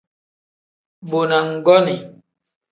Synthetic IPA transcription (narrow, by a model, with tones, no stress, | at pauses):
bo˨na˨ŋ̩˨ɡɔ˦ni˨